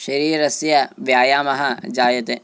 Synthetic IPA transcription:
ʃɐɾiːɾɐsjɐʋjaːjaːmɐɦɐd͡ʒaːjɐt̪e

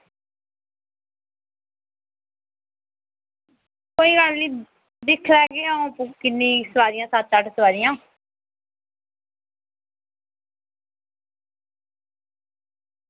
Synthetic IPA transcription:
koːiːɡəlniː | d̪ɪkʰlɛːɡeːaũːpkɪnːĩːsəʋaːɾɪjãːsat̪ːəʈsəʋaːɾijãː

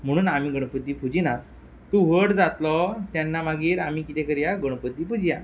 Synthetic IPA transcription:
m̤əɽ̃uːnamiːɡəɽ̃əpət̪iːpud͡ʑinat | t̪uʋəʈd͡zat̪lɔt̪janːamaɡiːɾamikit̪ɛkəɾjaɡəɽ̃əpət̪ːiːpud͡ʑija

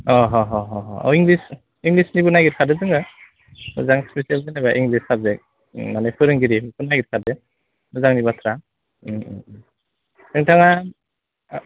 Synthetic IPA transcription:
ɔɦɔɦɔɦɔɔɔ̰wiŋlis | iŋɡlisnibɯnajɡit̚kʰadɯzɯŋɯ | mɯ̰zaŋspesialzɯnabaʔiŋɡlisab̚zek̚ | manepʰɯɾɯŋɡiɾimɯpʰunaɡit̚kʰadɯ | mɯzaŋniβatʰɾa | tʰɯŋtʰaŋa

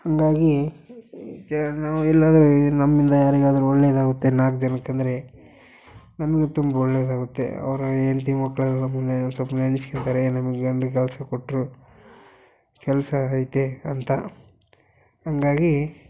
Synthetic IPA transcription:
hɐŋɡaːɡi | naːʋuɛlːaːd̪ɐɾunɐmːind̪ɐjaːɾiɡaːd̪ɐɾuɔɭːeːd̪aːɡut̪ːenaːk̚d͡ʒɐnɐkːɐnd̪ɐɾe̞ | nɐmɐɡet̪umbɐɔɭːeːd̪aːɡut̪ːḛɐ̰ʋɐɾɐeːɳt̪imɐkːɭɐlːɐmunːenɐsɐpɐnɐniskent̪aːɾenɐmɐɡeɡɐɳɖɡkɛlɐsɐkoʈːɾu | kɛlɐsɐjt̪eɐnt̪ɐ | hɐŋɡaːɡi

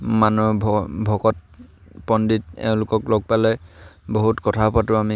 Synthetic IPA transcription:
manubʱbʱɔkɔt̚ | pɔnditɛ̰ʊ̃lʊkɔklɔɡ̚palɛboɦutkɔtʰaɦpatʊami

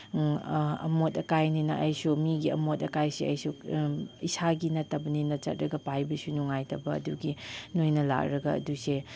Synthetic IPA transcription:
ɐ̰motɐkajninɐʔɐjsumiɡiɐmotɐkajsiɐ̰jsu | isaɡinɐtːɐbɐninɐt͡ʃɐ̰t̚ɾɐɡɐpajbɐsunuŋajtɐbɐ̰ːduɡinojnɐla̰k̚ɾɐɡɐɐ̰duse

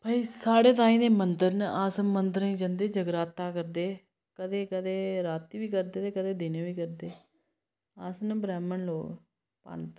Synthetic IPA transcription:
bʱaːiːsaːɽeːt̪̬ãːĩːd̪eːmənd̪əɾnaːsəmənd̪əɾĩːd͡ʒənd̪eːd͡ʒəɡɾaːt̪ːaːkəɾd̪eː | kəd̪eːkəd̪eːɾaːt̪ːiːʋiːkəɾd̪eːt̪eːkəd̪eːd̪eːneːʋiːkəɾd̪eː | aːsnbɾɛːmənloː | pə̰ɳt̪

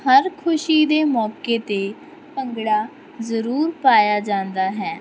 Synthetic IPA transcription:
həɾkʰʊʃiːd̪eːmɔːkeːt̪eː | pəŋɡɽaː | zəɾuːɾpaːjaːd͡ʒãːnd̪aːɦɛː

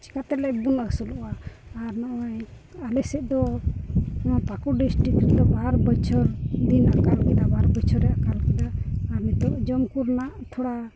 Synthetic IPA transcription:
t͡ʃi̥kat̪ɛlɛbunəsulaːɾnawaj | alɛsɛʔ̚d̪ɔ | apakuɖisʈɾikɾid̪ɔbaɾbɔt͡ʃʰɔɾd̪inakalkɛd̪abaɾbɔt͡ʃʰɔɾɛjakalkɛd̪aːmit̪ɔʔd͡ʒɔmkuɾnaʔt̪ʰɔɽa

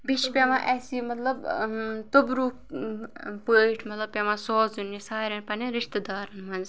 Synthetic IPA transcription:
biʃpʲemãːʔɛːsiːmɐt̪lɐbt̪obɾuː | pəːʈʰmɐt̪lɐb̚pʲemãsɔːzunːisaːɾʲɐnpɐniɾiʃt̪əd̪aːɾɐnmɐnz

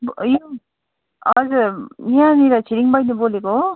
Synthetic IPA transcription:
bjo | ʌzuɾãniɾat͡sʰiɾiŋbʌjniboleko

